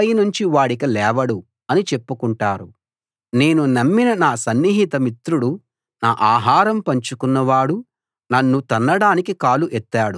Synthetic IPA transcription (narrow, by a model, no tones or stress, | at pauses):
ɐjnuɲt͡ʃiʋaːɽikɐlɛːʋɐɽu | ɐnit͡ʃe̞pːukuɳʈaːɾu | ne̞ːnunɐmːinɐnaːsɐnːiɦit̪ɐmit̪ɾuɽu | naːʔaːɦaːɾɐmpɐɲt͡ʃukunːɐʋaːɽu | nɐnːut̪ɐnːɐɽaːnikikaːluʔɛt̪ːaːɽu